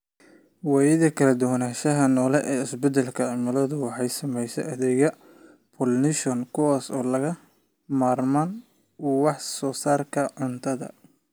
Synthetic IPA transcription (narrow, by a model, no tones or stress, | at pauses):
wɑːjɪðɐkʰɐlɐd̪ʊwnaːʃɐɦɐnɔːlɛʔɛːɪsbɛd̪ɐlkʰɐʕɪmɐlɔðʊwɑħɑjsɐmɛjsɛ̰ʔɐðɛːɣɐ | pʰɔːlnɪʃɔnkʰʊwaːsɔːlɐɣɐ | maːrman | uwɑħsɔːsaːrkʰɐʕʊnt̪ʰɐðɐ̰